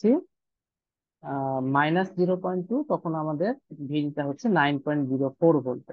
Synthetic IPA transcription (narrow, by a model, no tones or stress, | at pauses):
i | majnasziɹopɔjntːʊtɔkʰɔnamad̪ɛɹbʱinitaɦotsʰɛnajnpɔjɳtziɹopʰoɹbʱolpa